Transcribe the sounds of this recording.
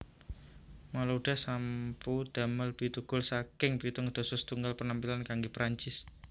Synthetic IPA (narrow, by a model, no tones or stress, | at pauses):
malauɖ̥a̤hsampud̪̥a̤məlpit̪uɡ̥ʊlsakɪŋpit̪ɔŋud̪̥ɔ̤sʊst̪uŋɡalpənampilankaŋɡepɾʔaɲt͡ʃɪs